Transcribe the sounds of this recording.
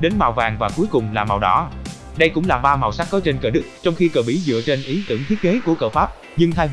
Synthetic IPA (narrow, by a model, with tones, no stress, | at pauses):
ɗe˨˦nmaː˨˩wvaː˨˩ŋvaː˨˩ku˨˦əjkʊ˨˩ŋ͡mlaː˨˩ma̰˨˩wɗɔ̰˧˦ | ɗə˧jkʊ̰˧˥ŋ͡mlaː˨˩ɓaː˧ma˨˩wsa˦˥k̚kɔ˨˦t͡ɕe˧nkəː˧˩ɗɨ˦˥k̚t͡ɕɔ˧wŋ͡mxi˧kəː˨˩ɓḭ˧˩˦zɨ̰˧˨ət͡ɕe˧nʔi˨˦t̪ɨ̰˧˩əŋt̪ʰi˦˥ət̚ke˨˦ku˧˩əkəː˧˩faː˦˥p̚ | ɲɨ˧ŋt̪ʰaː˧j